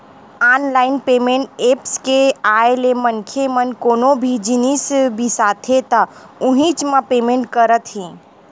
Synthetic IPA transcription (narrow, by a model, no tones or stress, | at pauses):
aːnlaːɪnpeːmẽɳʈeːpskeaːelemənkʰemənkoːnobʱid͡ʒinisbʱisaːt̪ʰɦet̪aʊɦĩt͡ʃmãpeːmẽːɳʈ̚kəɾət̪ɦĩː